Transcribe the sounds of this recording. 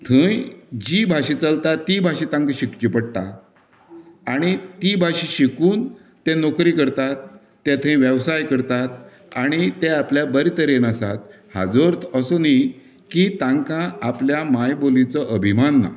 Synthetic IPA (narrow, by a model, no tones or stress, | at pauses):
t̪ʰə̃jd͡ʑibʱaɕĩt͡səlt̪at̪ːibʱaɕit̪ãŋkãɕikt͡ɕipəɽt̪a̰ | ɽ̃it̪ibʱaɕiɕikuːn | t̪enokɾiːkəɾt̪at̪̚ː | ɛt̪ʰə̃jʋjəʋsajkəɾt̪at̪̚ | aɽ̃it̪eapljabəɾit̪əɾenəsat̪̚ | ha̰d͡zoɾt̪ʰəsoni | kit̪ãŋkãapljamajbolĩt͡sɔʔəbʱimanːa̰